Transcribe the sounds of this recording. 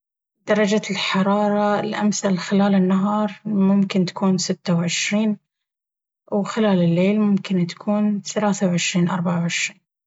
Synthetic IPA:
d̪̥ɑɾˤɑd͡ʒalħɑɾˤɑːɾˤɑlʔamθalxɪlaːlɪnːaɦɑːɾˤmʊmkɪnt̪ḁkuːnsɪt̪ːawʕɪʃɾiːn | wxɪlaːlɪlːeːlmʊmkɪnt̪ḁkʰuːnθalaːθawʕɪʃɾiːnʔɑ̰ɾˤbaʕawʕɪʃɾiːn

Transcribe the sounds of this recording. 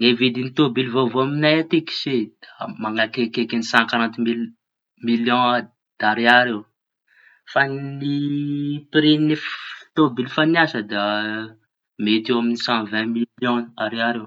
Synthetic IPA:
nevid̪init̪obilvovoaminajat̪iki̥sed̪̥amaŋakekekenisãkaɾãnt̪mil | miljɔ̃ | d̪̥aɾeaɾew | fani | piɾineft̪obilfaniasəd̪a | met̪ewaminisãvɛ̃miljɔ̃aɾeaɾew

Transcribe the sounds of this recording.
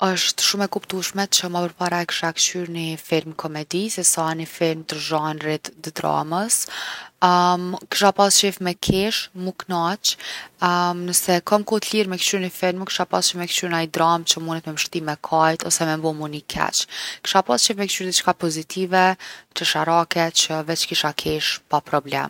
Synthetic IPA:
əʃt̪ʃumɛkupt̪uʃmɛt͡ʃəmapəɾpaɾaɛkʃakt͡ʃyɾnifiɾmkʰɔmɛd̪isɛsanifiɾmt̪əɾʒɔnrɛt̪d̪əd̪ɾa̰məs | kʃapast͡ʃifmɛkʰɛʃmuknat͡ʃ | nəsɛkɔmkɔt̪liɾmɛkʃyɾnifiɾmkə̥ʃapa̰st͡ʃifmɛkt͡ʃyɾnaid̪ɾamt͡ʃəmunɛt̪mɛməʃt̪imɛkʰajt̪ɔsɛmɛmbɔmunikʰɛ̰t͡ʃkə̥ʃapast͡ʃifmɛkt͡ʃyɾd̪it͡ʃkapɔzit̪ʰivɛt̪əʃaɾakɛt͡ʃəvɛt͡ʃkiʃakʰiʃpapɾɔblɛ̰m

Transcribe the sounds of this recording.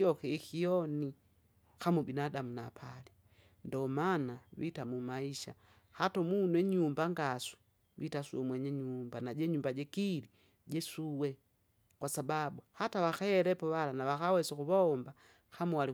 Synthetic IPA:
iɔkɛkiɔni | kamubinadamunapʰali | ndɔmanaβitamumaiʃa̰ | hatɔmunwɛɲumbaŋɡasu̥ | witasuɔmwɛɲɛɲumbanaɟɛɲumbaɟɛkili | ɟɛsuwɛ | kwasababuhatawaxaɛɾɛpɔβalanaβakawɛsɔkuβɔmba | xamuwali

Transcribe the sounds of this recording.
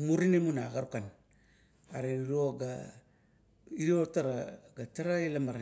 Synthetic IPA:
muɾinemunaɡaɾukan | aɾeɾiɾoɡa | iɾiotaɾaɡataɾaelamaɾa

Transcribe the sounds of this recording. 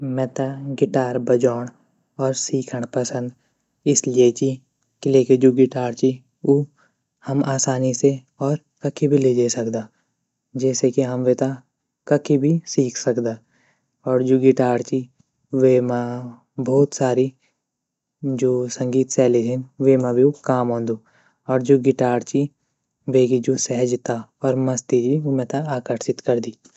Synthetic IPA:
mɛ̃ːt̪aɡɪʈaːɾbəd͡ʒaːɽ̃ | ɔːɾsiːkʰəɽ̃pəsə̃nd̪ | ɪsliet͡ʃi | kɪleːked͡ʒoːɡɪʈaːɾt͡ʃi | oː | həmaːsaːnise | ɔːɾ | kəkʰːibʱileːd͡ʒesəkd̪aː | d͡ʒɛːsekiɦəmʋet̪a | kɐkʰibʱisiːkʰsəkd̪aː | ɔːɾd͡ʒoːɡɪʈaːɾt͡ʃi | ʋema | bʱɔːt̪saːɾi | d͡ʒoːsɐ̃ŋɡiːt̪sɛːled͡ʒɛnʋemãbʱiokaːmɦõːnd̪uː | ɔːɾd͡ʒoːɡɪʈaːɾt͡ʃi | ʋeːkid͡ʒoːsɛɦəd͡ʒt̪aɔːɾmɐst̪id͡ʒimɛ̃t̪aaːkəɾʃɪt̪kɐɾd̪iː

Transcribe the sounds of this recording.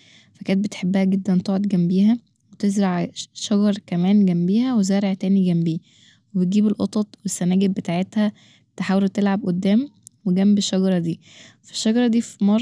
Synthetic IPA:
fækæːnet̪̚bet̪ħebːæhæɡed̪ːænt̪oʕod̪ɡæmbiːɦæ | wet̪ezɾɑʕʃɑɡɑɾˤkæmæːnɡæmbiːhæwezæːɾeʕt̪æːniɡæmbiː | webet̪̚ɡiːbelʔot̪ˤɑt̪ˤwesːænæːɡebet̪aːʕet̪hæ | t̪eħaːwelot̪elʕabʔod̪ːæːmweɡæmbeʃːɑɡɑɾˤɑd̪iː | fi̥ʃːɑɡɑɾˤɑd̪iːfmɑˤ

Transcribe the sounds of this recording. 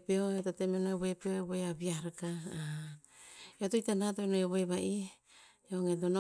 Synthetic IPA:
peoetotemenoeβoepeoeβoeaβiaɾaka | eotojtanatoenoeβoeβaʔi | eoŋedono

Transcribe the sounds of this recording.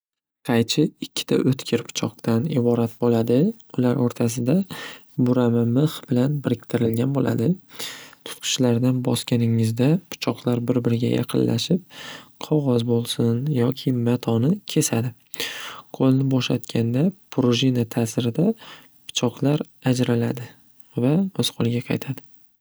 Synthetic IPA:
qʰɑjt͡ʃʰɪɪkʲʰːɪ̥t̪ʰa̰ʔɵt̪kʲʰɪɾpʰʊ̥t͡ʃʰɒqt̪anɪbɒɾat̪̚bolad̪ɪ | ʊlaɾoɾt̪ʰasɪd̪abʊɾamamɨχbɪlanbɪɾɪkʲt̪ʰɪɾɪlɡʲanbola̰d̪ɪt̪ʰʊ̥t̪qʰʊ̥ʃlaɾd̪anbɒskʲanɪŋɪzd̪apʰʊ̥t͡ʃʰɒqlˠaɾbɪɾbɪɾɪɡʲa̰jʔɑ̰qʰɨ̰nlʔa̰ʃɪp̚qʰɒʁɒzbolˠsʊnjɒkʲʰɪmat̪ʰɒnɪkʲʰe̞sad̪ɪ | qʰolˠnɪbɒʃat̪kʲʰand̪apʰɾoʒinat̪ʰasɪɾɪd̪a | pʰʊ̥t͡ʃʰɒqlˠaɾ | ad͡ʒɾalad̪ɪ | vaɵz̥qʰolˠɪɡʲaqʰɑ̰jt̪ʰad̪ɪ

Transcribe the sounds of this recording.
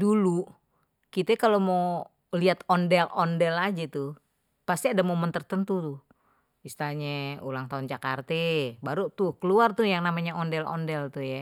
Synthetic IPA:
dulu | kit̪ɛkalomo | liat̪ɔndɛlɔndɛlad͡ʒat̪u | past̪iadamomənt̪ərt̪ənt̪ut̪u | ist̪aɲɛulaŋt̪aund͡ʒakart̪ɛbaɾut̪ʊhkəluart̪ujaŋnamaɲaɔndɛlɔ̰ndɛlt̪uja

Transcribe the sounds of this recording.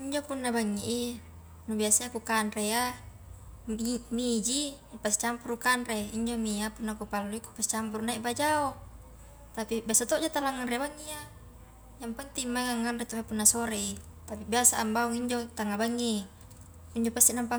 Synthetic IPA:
iɲd͡ʒopunːabaŋːiʔi | nubiasaakukanreja | mid͡ʒi | past͡ʃampuɾukanreiɲd͡ʒomiapunːakupalːuiku̥past͡ʃampuɾunaiʔbad͡ʒao | t̪apibiasat̪oʔd͡ʒat̪alaŋːanrebaŋːia | jampant̪imːaŋaŋːanret̪omapunːasoɾei | t̪apibiasaːmbauŋiɲd͡ʒot̪aŋabaŋːi | iɲd͡ʒopast̪iʔnampa

